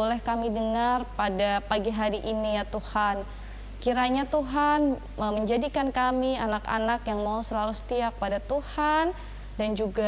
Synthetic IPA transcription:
olɛhkamidəŋarpadapaɡiɦaɾiʔinijat̪uhan | kiɾaɲat̪uɦan | əməɲd͡ʒadikankamianaka̰nakjaŋmausəlalusə̥t̪iak̚padat̪uhan | dand͡ʒuɡa

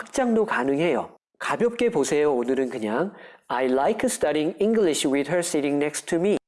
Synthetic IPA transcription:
hak̚t͡ɕ͈aŋdokanɯŋɦe̞jo̰ | kabjʌp̚k͈e̞posʰe̞joːnɯɾɯnkɯɲaŋajlajkʰstʰaɾĩŋiŋɡliɕwidɦə˞siɾiŋnek̚stʰumi

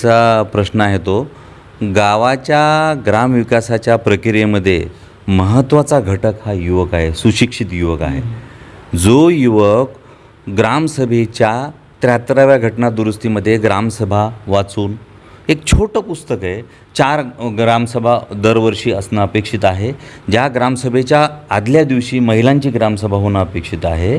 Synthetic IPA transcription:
apɾəɕnəaɦet̪o | ɡaʋat͡ɕjaɡɾamʋikasat͡ɕjapɾəkɾijeməd̪ʱːje | məɦət̪ːʋat͡saɡʱəʈəkhajuʋəkaɦesuɕikʂit̪juʋəka̰ɦḛ | d͡zojuʋək | ɡɾamsəbʱet͡ɕja | t̪ɾat̪ɾaʋjaɡʱəʈnad̪uɾust̪iməd̪ʱːjeɡɾamsəbʱaʋat͡suːn | ek̚t͡ɕʰoʈəpust̪əkəe | t͡ɕaɾɡɾamsəbʱad̪əɾʋəɾʂiːəsnaəpekʂit̪aɦed͡ʑaɡɾamsəbʱet͡ɕjaːd̪ljad̪iʋɕiːməɦilãɲt͡ɕiːɡɾamsəbʱaɦonaəpekʂit̪aɦe

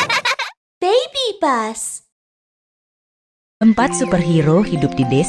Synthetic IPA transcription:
b̥ejbib̥as | ʔəmpat̪̚supərɦiɾohidʊp̚d̥ides

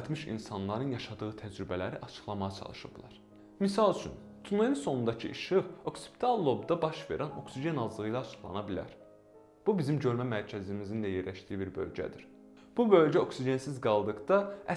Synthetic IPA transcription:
t̪ʰmiʃḭnsɑnlˠɑɾɯnjɑʃɑd̪ɯɣɯt̪ʰæd͡ʒɾybælæɾiʔɑt͡ʃʰɯ̥χlˠɑmɑʁɑt͡ʃʰɑ̰lˠɯʃɯ̰blˠɑ̰ɾ | misɑlˠyt͡ʃʰyn | t̪ʰuneninso̞nund̪ɑcʰɯʔiʃɯo̞ksi̥pʰi̥t̪ʰɑlˠːo̞bd̪ɑbɑʃve̞̰ɾʔæno̞ksiɟe̞nɑzlˠɯʁɯjlˠɑːt͡ʃʰɯ̥χlˠɑ̰nɑbilæ̰ɾ | b̥ubizimɟø̞ɾmæmæɾcʰæzimizinlæjeɾlæʃt̪ijibiɾbø̞̰lɟæ̰d̪iɾ̥ | b̥ubø̞lɟæo̞ksid͡ʒe̞nsizɡɑlˠd̪ɯkd̪ɑæ

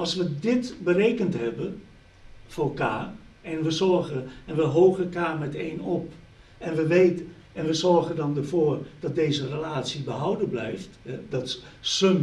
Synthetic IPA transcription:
ɑlˠsʋədɪtbərejkəntɦɛbən | fʊːrəlˠkaːrɛnʋəzɔɹɣəɛnʋəɦowɣəlˠkaːrmɛteːnɔp | ɛnʋəʋejt | ɛnʋəzɔrɣəndɑndərv̥oːrd̥ɑt̚dejzərəlaːtsibəɦawdəblɛjftɛdɔt | səm

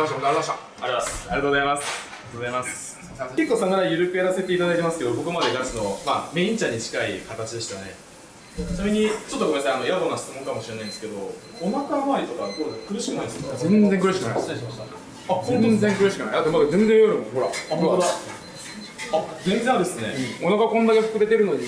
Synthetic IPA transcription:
ɕaɾaɕa | aɾiaaɾiɾat̪oːozaimasɾtoːzaimas | ke̞kːoːsamaɾaijɯ̟ɾɯ̟kɯ̟jaɾase̞t̪e̞it̪ad̪ait̪e̞masɨ̥ke̞d̪obo̞kɯ̟mad̪e̞ɡ̪ãsɨno̞ma̰ːme̞ĩɲt͡ɕãɲ̟ːit͡ɕi̥kaikat̪at͡ɕid̪e̞ɕi̥t̪ane̞ | samʲiɲ̟it͡ɕo̞t̪ːokoeasãano̞jabonasɨ̥t͡sɨmoŋkamo̞ɕiɾenãĩd̪esɨ̥ke̞d̪o̞̰ | onakamaːɾʲit̪okaokɯ̟ɾɯɕi̥kɯnaĩd̪eszẽ̞nzẽŋkɯ̟ɾɯ̟ɕi̥kɯna̰i | azezẽ̞ŋkɯɾɯ̟ɕikɯna̰jd̪at̪ːemoaɡzẽ̞nzẽjoɾɯmoɦoɾa̰aɦoɾaod̪a | azẽ̞nzẽad̪e̞sɨne̞̰onakakõnːaɡaɸɯ̟kɯ̟be̞t̪eɾɯ̟no̞ɲ̟i

